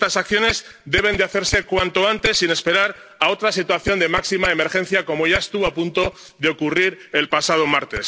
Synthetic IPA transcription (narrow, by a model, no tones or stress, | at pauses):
t̪asak̚θjo̞ne̞z | d̪e̞β̞e̞nd̪eaθe̞ɾse̞kwant̪o̞ant̪e̞sːine̞spe̞ɾaɾ | ao̞t̪ɾasit̪waθjo̞nd̪emaksimaeme̞ɾxẽ̞n̟θjako̞mo̞ʝaest̪uβapunt̪o̞ | ðeo̞kuriɾe̞lpasað̞o̞maɾt̪e̞s